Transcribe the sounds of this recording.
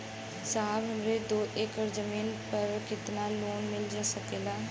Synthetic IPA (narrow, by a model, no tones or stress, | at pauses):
saːbɦəmɾed̪oːeːkəɾd͡ʒəmiːnpəɾkɪt̪naloːnmɪld͡ʒaːsəkeːlaː